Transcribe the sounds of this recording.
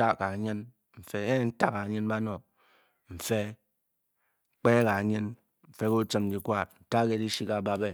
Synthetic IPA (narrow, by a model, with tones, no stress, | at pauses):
a˦ka˨ɲɨ˦n | m̩˨fe˦e˦n̩˦ta˦ka˨ɲɨ˦nba˦no˨ | m̩˨fe˦ | k͡pe˦ka˨ɲɨ˦n | m̩˨fe˦ko˦t͡ʃə˦md͡ʒi˨kʷa˦n̩˨ta˦ke˦˨di˦ʃi˦ka˨ba˦be˦